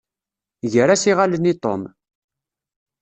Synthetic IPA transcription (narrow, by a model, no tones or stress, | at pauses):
ʝəɾæsiʁalənit̪ˤo̰m